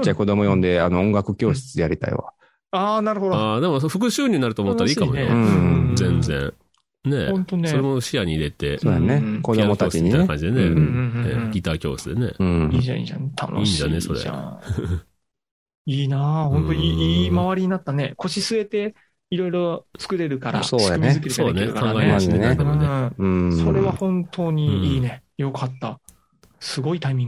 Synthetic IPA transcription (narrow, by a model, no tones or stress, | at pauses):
t͡ɕːako̞d̪o̞mo̞jõ̞nd̪e̞anoõŋɡakɯ̟kʲo̞ːɕi̥t͡sɨjaɾʲit̪a̰ḭβa̰ | aːnaɾɯ̟ɦo̞d̪oad̪e̞mosɸɯ̟kɯ̟ɕɨːɾʲiɲinaɾɯ̟t̪oːmott̪ːaɾaiːkamoj̪̃zẽ̞nd͡zḛ̃ɰ̃ | ne̞õnt̪onesoɾe̞moɕiaɲ̟iːɾe̞t̪e̞soːjaneko̞d̪omokt̪at͡ɕiɲiakãɲːd͡ʑid̪enenḛɡʲit̪aːkʲo̞̰ːsɨd̪e̞ne̞ɯ̃iːd͡ʒa̰ḭd͡ʒa̰net̪ʰa̰no̰iɲd͡ʑaneso̞ɾḛ | iːnahõ̞nt̪oiiːmaβaɾʲiɲ̟inat̪ːane̞kʰo̞ɕisɨe̞t̪e̞ | iɾo̞iɾo̞t͡sɨ̥kɯ̟ɾe̞ɾɯ̟kaɾa̰soːaɯmzɨkeɾɯsaoneɾkaãŋɡaeand̪emoẽso̞ɾe̞βahõ̞nt̪ʰo̞ːɲ̟iiːne̞jo̞kat̪ːa | sɨɡo̞it̪aimʲĩŋɡ